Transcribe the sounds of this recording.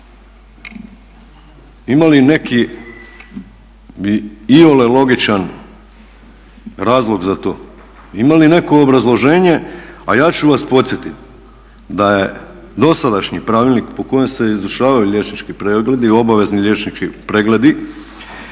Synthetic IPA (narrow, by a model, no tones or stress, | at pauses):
imaline̞ki | iiolelo̞ɡit͡ʃan | ɾaːzlˠo̞ɡzat̪o̞̰ː | imaline̞ko̞ːbɾazlˠo̞ʒe̞ːɲe̞ajaːt͡ɕuʋaspo̞t̪sje̞t̪it̪ | d̪aje̞ | d̪o̞sad̪aʃɲipɾaːʋilʲnikpo̞ko̞jemse̞izuʃaːʋajuʎe̞t͡ʃnit͡ʃkipɾeɡle̞d̪io̞baʋe̞zniʎʲe̞t͡ʃnit͡ʃkipɾeɡle̞d̪i